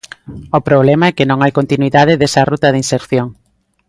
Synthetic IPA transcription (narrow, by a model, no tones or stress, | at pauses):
ʊpɾoβlɛmaɛkɪnõŋajkont̪inwiðað̞ɪðɛsɐrut̪ɐðinseɾθjoŋ